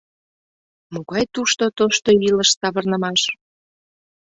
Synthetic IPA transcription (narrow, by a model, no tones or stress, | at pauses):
moɣɑjt̪uʃt̪ot̪oʃt̪oiləʃsɑβərnəmɑʃ